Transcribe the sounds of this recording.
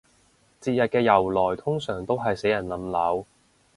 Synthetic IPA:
t͡siː˧t̚jɐ˨t̚kɛː˧jɐ˨˩wlɔː˨˩jt̪ʰʊ˥ŋsœː˨˩ŋt̪o˥wɦɐ˨jse˨˥jɐ˨˩nlɐ˨˥mlɐ˨˥w

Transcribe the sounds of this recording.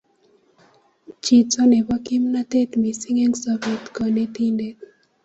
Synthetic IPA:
t͡ʃi˨tsɔ˦ne˨ba˦ki˦mna˦t̪e˦t̪mi˨si˦ŋe˦ŋsɔ˦be˨t̪kɔ˨ne˦t̪i˦nde˦

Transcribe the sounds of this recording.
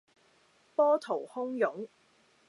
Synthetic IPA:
pɔː˥t̪ʰo˨˩whʊ˥ŋjʊ˨˥ŋ

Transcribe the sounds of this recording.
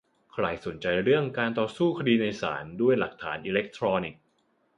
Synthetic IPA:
kʰɾa˧jso˩˦nt͡ɕa˧jɾɯ˥˩əŋkaː˧nt̪ɔː˧suː˥˩kʰa˧diː˧na˧jsa̰ː˩˦ndu˥˩əjla˨˩k̚t̪ʰa̰ː˩˦nʔiː˧le˦˥k̚t̪ʰɾɔː˧ni˨˩k̚

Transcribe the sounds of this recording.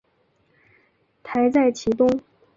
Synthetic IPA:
t̪ʰa˧˥ɪt͡sa˥˩ɪt͡ɕʰi˧˥t̪ʊ˥ŋ

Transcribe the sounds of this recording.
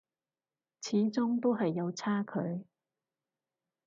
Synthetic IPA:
t͡sʰiː˨˥t͡sʊ˥ŋt̪o˥wɦɐ˨jːɐ˨˧wt͡sʰaː˥kʰɵ˨˧ɥ

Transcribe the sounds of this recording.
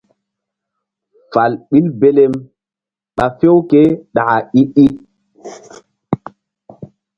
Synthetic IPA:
fa˨lɓi˦lbe˦le˦m | ɓa˨fe˦wke˦ɗa˨a˨i˦ʔi˦

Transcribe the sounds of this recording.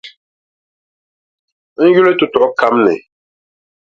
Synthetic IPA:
ŋ̩˦ju˦le˦tu˨tɔ˨ɔ˦kʰa˦mnɛ̰˨

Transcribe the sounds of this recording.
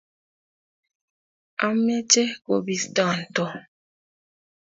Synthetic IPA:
a˦mːe˦t͡ʃe˦ɡo˨bi˨sta˦˨n˨tɔ˦

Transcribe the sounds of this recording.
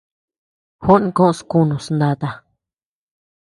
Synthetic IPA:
ho˦nĩ˧kõ˦ʔo˧skũ˦˧nũ˨snd̪a˧t̪a˧

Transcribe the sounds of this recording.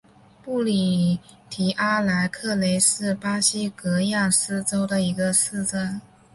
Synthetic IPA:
pu˥˩li˨˩ | t̪ʰi˨˩ʔa˥la˧˥ɪkʰɤ˥˩le˧˥ɪsɹ̩˥˩pa˥ɕi˥kɤ˧˥ja˥˩ŋsɹ̩˥ʈ͡ʂo˥ʊd̪ə˨i˧˥ɡə˧sɹ̩˥˩t͡sə˥n

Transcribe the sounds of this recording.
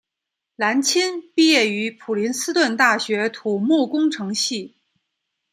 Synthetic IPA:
la˧˥nt͡ɕʰi˥npi˥˧jɛ˥˩y˧˥pʰu˨˩li˧˥nsɹ̩˥t̪wə˥˧nt̪a˥˩ɕɥɛ˧˥t̪ʰu˨˩mu˥˩kʊ˥ŋʈ͡ʂʰɤ˧˥ŋɕi˥˩

